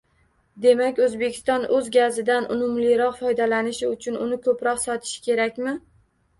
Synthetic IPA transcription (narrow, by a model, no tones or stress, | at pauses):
d̪e̞makʲɵzbekʲʰɪ̥st̪ɒnɵzɡʲazɪd̪anʔʊ̰mʊmlɪɾɒqfɒjd̪alanɪʃɪʊt͡ʃʰʊnʊnɪkʰɵpɾɒqsɒt̪ʰɪ̥ʃɪ̥kʲʰe̞ɾakʲmɪ